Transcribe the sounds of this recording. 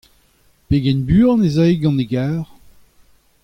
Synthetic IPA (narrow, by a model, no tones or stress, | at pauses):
peɡɛnbyːʁnezajɡɑ̃neɡaːʁ